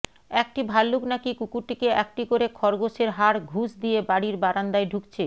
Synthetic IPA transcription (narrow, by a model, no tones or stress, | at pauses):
ɛk̚ʈibʱalːuknakikukuʈːikeɛkʈikoɾekʰɔɾɡoʃeɾɦaɾɡʱusd̪ijebaɽiɾbaɾand̪aeɖʱukt͡ɕʰe